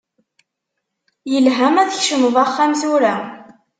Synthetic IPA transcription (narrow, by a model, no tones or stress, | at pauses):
jəlɦæmæðəçʃəmðˤɑχːæmzuɾæ